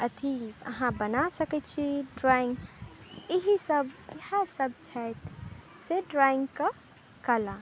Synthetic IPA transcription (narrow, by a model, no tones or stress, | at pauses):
ət̪ʰiɐ̰ɦãbənasəkɛt͡ʃʰiɖɾaɪ̃ŋɡ | iɦisəbihasəb̚t͡ʃʰɛt̪ʰ | seɖɾaɪ̃ŋɡka | kəla